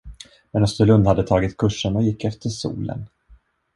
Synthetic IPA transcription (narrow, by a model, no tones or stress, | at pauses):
mɛnɔst̪əlɵnd̪had̪ːət̪ʰɑːɡɪt̪kʰɵʂːənɔjɪkʰːɛft̪əʂṵːlə̰n